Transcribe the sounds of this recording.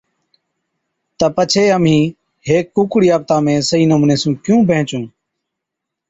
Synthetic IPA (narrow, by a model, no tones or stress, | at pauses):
t̪əpət͡ʃʰeːəm̤ĩː | heːkːuːkɽiːaːp̚t̪ãːmẽːsəɦiːnəmũːneːsũːkjũːbʱẽːt͡ʃũː